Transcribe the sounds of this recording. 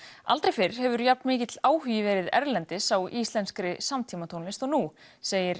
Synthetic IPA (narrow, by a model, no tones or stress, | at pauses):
a̰lt̪ɾejfɪɾɾ̥hɛvʏɾjap̚nmɪːcɪt̪laːwhyːjɪvɛːɾɪðɛ̰ɾlɛnt̪ɪsawʔist̪lɛnskɾɪsamt̪ʰiːmat̪ʰownɪst̪ɔɣnuseːjɪɾ̥